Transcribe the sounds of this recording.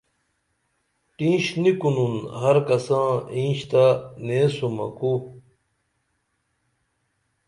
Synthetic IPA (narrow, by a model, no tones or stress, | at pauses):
ʈĩːɕnikununhɐɾkɐsãːĩːɕt̪aneːsumɐ̰ku